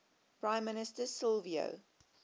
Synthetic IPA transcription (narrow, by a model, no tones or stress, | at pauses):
pʰɹãɪ̃mːɪnɪstəsɪlvio̰